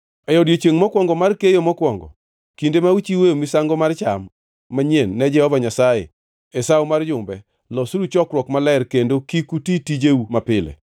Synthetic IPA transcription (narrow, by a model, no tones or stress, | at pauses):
ɛjɔdjet͡ʃeŋmɔkwɔŋɡɔmarkejomɔkwɔŋɡɔ̰ | kindemawut͡ʃiweomisaŋɡɔmart͡ʃamː | aɲenːɛd͡ʒɛhɔvaɲasajḛ | ɛsawomard͡ʒʊmbɛ | lɔsuɾut͡ʃɔkɾwɔkmalɛrkendokikutitid͡ʒeumapɪlḛ